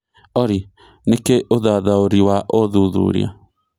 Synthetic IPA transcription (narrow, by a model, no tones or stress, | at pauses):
ɔɾi | nekeʔoðaðaoɾiwaʔoðuðṵɾḭa̰